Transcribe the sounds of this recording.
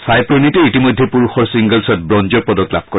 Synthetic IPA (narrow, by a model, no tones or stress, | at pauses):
sajpɹɔniteitimɔjdʱːɛpuɹuxɔɹsiŋɡəlsɔt̚bɹɔnd͡ʒɔɹpɔdɔkla̰b̚kɔ